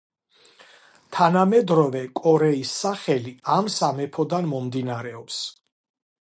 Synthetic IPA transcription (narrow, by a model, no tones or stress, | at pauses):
t̪ʰanamɛd̪ɾɔvɛkʼɔɾɛisːaχɛliamsamɛpʰɔd̪anmɔmd̪inaɾɛɔps